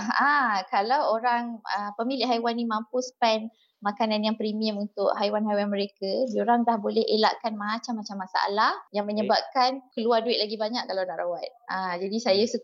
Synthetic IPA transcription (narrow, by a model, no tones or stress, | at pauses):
akalawoɾaŋə̰pəmilɪʔɦajwanːimampuspɛn | makananjaŋpɾimiəmunt̪ʊʔɦajwanɦajwanmə̃ɾekadioɾaŋdahbolɛɦḛla̰ʔkanmat͡ʃamːat͡ʃamːasaa̰lahjaŋməɲəbap̚kankəluarduɪt̪̚laɡibaɲaʔ̚kalawnaʔɾawat̪̚ad͡ʒadisajasə